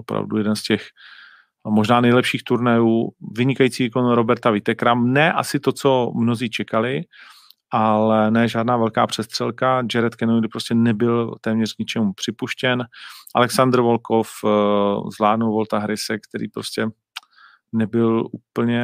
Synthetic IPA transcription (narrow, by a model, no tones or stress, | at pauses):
opɾa̰vdṵjɛdɛnscɛx | mo̞ʒnaːnɛjlɛpʃiːxt̪uɾnɛjuːvɪɲɪkajiːt͡siːviːkonɾo̞bɛɾt̪avɪt̪ɛkɾamnɛːʔa̰sɪt̪o̞t͡so̞mno̞ziːt͡ʃɛkalɪ | ʔalɛnɛːʒaːdnaːvɛlka̰ːpr̝̥ɛst̪r̥ɛlkad͡ʒɛɾɛt̪kɛnodɪpɾoscɛnɛbɪlt̪ɛːmɲɛr̥kɲɪt͡ʃɛmupr̝̥ɪpuʃcɛnʔa̰lɛksand̪r̩vo̞lkof | zvlaːdnulvo̞lt̪aɦɾɪsɛkt̪ɛɾḭːpɾoscɛ | nɛbɪlʔuːpl̩ɲɛ